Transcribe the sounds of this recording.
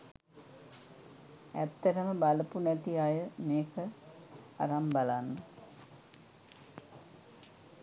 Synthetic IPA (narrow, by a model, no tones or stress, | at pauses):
æt̪ːəʈəməbaləpunɛt̪iajəmeːkə | a̰ɾambalanːə